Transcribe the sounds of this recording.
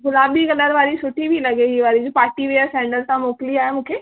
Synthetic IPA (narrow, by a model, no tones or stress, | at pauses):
ɡʊlaːbiɡɐləɾʋaːɾisʊʈʰːibʱilɐɡeɦiʋaːɾid͡ʒopaːɾʈiʋejəɾsɛ̃ːɳɖəlt̪ãmoːkliaːɦemũːkʰeː